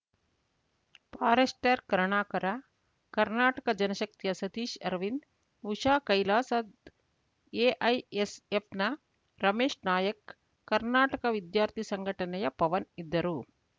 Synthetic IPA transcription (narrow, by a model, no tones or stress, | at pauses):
paːɾesʈeːɾkɐɾɐɳaːkɐɾa | kɐɾnaːʈɐkɐd͡ʒɐnɐʃɐk̚t̪ijɐsɐt̪iːʃɐɾʋin | ʋuʃaːkɐjlaːsɐd̪ | eːʔɐjesepnɐ | ɾɐmeːʂnaːjɐkː | ɐɾnaːʈɐkɐʋid̪jaːɾt̪ʰisɐŋɡʱɐʈɐnɐjɐpɐʋɐnid̪ːɐɾu